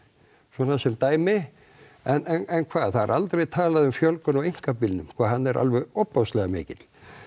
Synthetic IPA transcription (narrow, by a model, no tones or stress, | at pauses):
swɔːnasɛmt̪aːjmɪ | ɛnɛnɛnkʰvaːðθaðɾʔalt̪ɾejt̪ʰaːlaðʏmfjɔlkʏnɔɣejŋ̥kapɪlnʏmkʰv̥aːɦanːɛɾʔa̰lvɛɣɔpːawst̪lɛɣamɪ̰ːcɪt̪l̥